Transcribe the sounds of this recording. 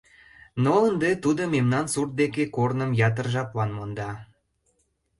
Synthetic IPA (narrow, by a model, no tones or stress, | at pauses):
noənd̪et̪ud̪əmemnɑnsurt̪̚d̪ekekornəmjɑt̪̬ərʒɑplɑnmond̪ɑ